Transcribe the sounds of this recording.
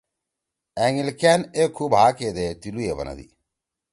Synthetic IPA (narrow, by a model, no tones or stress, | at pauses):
ɛŋilkɛːnekʰubɦaːked̪et̪ilujebɐ̰na̰d̪ḭ